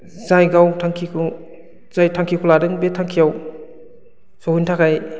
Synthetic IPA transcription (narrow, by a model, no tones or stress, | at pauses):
zajɡawtʰaŋkʰikʰu | z̥ajtʰaŋkʰikʰɔladɯŋbetʰaŋkʰijaw | sɔhintʰakʰaj